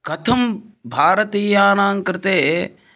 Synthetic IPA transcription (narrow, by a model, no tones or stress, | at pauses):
kɐt̪ʰɐmbʱaːɾɐt̪iːjaːnãːŋkɾt̪eː